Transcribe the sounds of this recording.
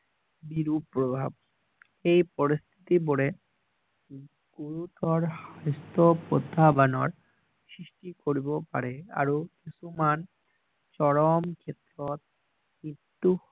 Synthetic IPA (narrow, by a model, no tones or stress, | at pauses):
biɾupːɾobʱab̚ | ejpoɾist̪ʰi̥t̪iboɽe | ɡ̥uɾut̪ɔɾhajst̪opɾod̪ʱːabanɔɾ | sɾiʃʈikoɾibopa̰ɾea̰ɾukisuman | t͡ɕɔɾomkʰet̪ːɾot̪̚ | nit̪ːu